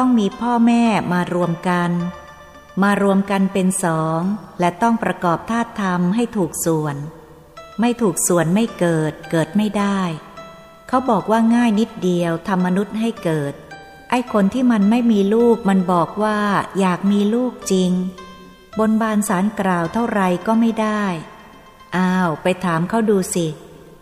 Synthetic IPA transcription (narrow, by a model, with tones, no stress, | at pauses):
t̪ɔ˥˩ŋmiː˧pʰɔː˥˩mɛː˥˩maː˧ɾu˧əmka˧n | maː˧ɾu˧əmka˧npe˧nsɔː˩˦ŋlɛ˦˥t̪ɔ˥˩ŋpɾa˧kɔː˨˩p̚t̪ʰaː˥˩t̪ʰːa˧mɦa˥˩jt̪ʰuː˨˩k̚su˨˩ən | ma˥˩jt̪ʰuː˨˩k̚su˨˩ənma˥˩jkɤː˨˩t̪̚kɤː˨˩t̪̚ma˥˩jdaː˥˩j | kʰa˦˥wbɔː˨˩k̚waː˥˩ŋaː˥˩jni˦˥t̪̚di˧əwt̪ʰa˧mːa˧nu˦˥t̪̚ha˥˩jkɤː˨˩t̪̚ | ʔa˥˩jkʰo˧nt̪ʰiː˥˩ma˧nma˥˩jmiː˧luː˥˩k̚ma˧nbɔː˨˩k̚waː˥˩jaː˨˩k̚miː˧luː˥˩k̚t͡ɕi˧ŋ | bo˧nbaː˧nsaː˩˦nkɾaː˨˩wt̪ʰa˥˩wɾa˧jkɔː˥˩ma˥˩jdaː˥˩j | ʔaː˧˥˩wpa˧jt̪ʰaː˩˦mkʰa˦˥wduː˧si˨˩